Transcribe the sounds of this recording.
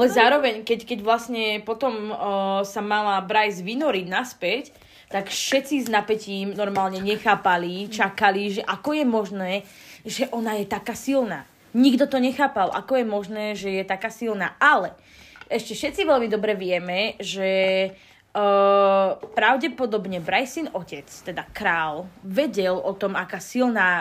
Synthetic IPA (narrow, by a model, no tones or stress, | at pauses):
alɛzaːɾɔʋɛɲkɛckɛɟʋlasɲɛpɔt̪ɔmsamalabɾajzʋinɔɾiɟnaspɛc | t̪akfʃɛt͡siznapɛciːmnɔɾmaːlɲɛɲɛxaːpalit͡ʃakaliʒɛʔakɔjɛmɔʒnɛː | ʒɛʔɔnajɛt̪akaːsilna̰ː | ɲiɡd̪ɔt̪ɔɲɛxaːpalʔa̰kɔjɛmɔʒnɛːʒɛjɛt̪akaːsilna̰ːʔalɛ | ʔɛʃcɛfʃɛt͡siʋɛʎmid̪ɔbɾɛʋɪɛmɛʒɛ | pɾaʊɟɛpɔd̪ɔbɲɛbɾajsinɔcɛt͡st̪ɛd̪akɾaːlʋɛɟɛlɔt̪ɔmakaːsilnaː